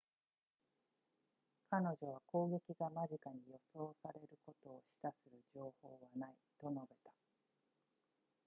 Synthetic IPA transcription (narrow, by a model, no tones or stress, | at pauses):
kano̞ʑo̞β̞ako̞ːɡe̞kʲiɡamaʑikaɲ̟ijo̞so̞ːsaɾe̞ɾɯ̟ko̞t̪o̞ːɕi̥t̪asɨɾɯ̟ʑo̞ːho̞ːβanait̪o̞no̞be̞t̪ḁ